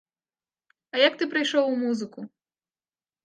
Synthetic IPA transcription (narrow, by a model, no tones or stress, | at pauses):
ɐjak̚t̪ɨpɾɨjʂɔwumuzɨku